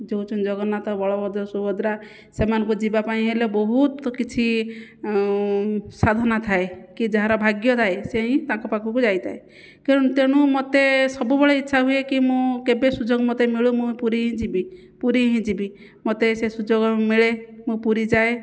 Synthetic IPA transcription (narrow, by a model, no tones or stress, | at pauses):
d͡ʒowt͡ʃʰɔnd͡ʒɔɡɔnat̪ɔbʱɔɭɔbʱɔd̪ɔsubɔd̪ɾa | semanɔ̃ŋkud͡ʒibapaĩɦelebɔɦut̪kit͡ʃʰi | sad̪ʱɔnat̪ʰaekid͡ʒaɦãɾɔbʱaɡjɔd̪ʰaeseɦĩt̪ãŋkɔpakʰɔkud͡ʒajt̪ʰa̰e | keũt̪eɽ̃ũmɔt̪esɔbubʱɔɭɔitːʃʰaɦujekimũkebesud͡ʒoɡmɔt̪emiɭumũpuɾiɦĩd͡ʒibi | puɾiɦĩd͡ʒibi | mɔt̪esesud͡ʒoɡɔmiɭemũpuɾid͡ʒae